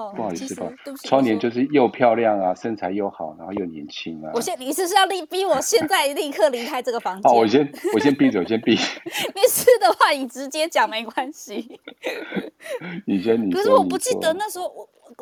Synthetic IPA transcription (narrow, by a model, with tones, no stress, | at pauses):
pu˥˩˨pa˨˩˧t͡sʰwɑ˥ŋnjɛ˧˦nt͡ɕjo˥˧ʊʂ̬ɻ̩˥˧˩jo˥˧ʊpʰjɑ˥˧ʊljɑ˥˩ŋa˨ʂə˥˧nt͡sʰa˧˥ɪjo˥˩ʊxɑ˨˩ʊna˧˦nxo˥˧jo˥˩ʊnjɛ̰˧˦nt͡ɕʰi˦ŋa˨˦wɔ˨˩ɕjɛ˥˧ni˨˩ʂɻ̩˥˧ʂɻ̩˥˧jɑ˥˧ʊli˥˩pi˥wɔ˨˩ɕjɛ˥˧nt͡sa˥˧ɪli˥˧kʰɤ˥˩li˧˥kʰa˥ɪʈ͡ʂɤ˥˩ɡə˩fɑ˥ŋ˥˩wɔ˨˩ɕjɛ˥nwɔ˨˩ɕjɛ˥npi˥˧t͡sə˨˩wɔ˨˩ɕjɛ˧˥npi˥˧ne˥˧˩ɪʂ̩˥˩d̪ə˨xwa˥˩ni˨˩ʈ͡ʂɻ̩˧˦˥t͡ɕje˦˥t͡ɕjɑ˨˩ŋme˧˥ɪkwa˦˥nɕi˨ | ni˨˩t͡ɕɛ˧˦d̪ə˧ni˨kʰə˩ʂ̩˥˩wɔ˨pu˧˦t͡ɕi˥˨d̪ə˧na˥˩ʂ̩˧˥xo˧˩˨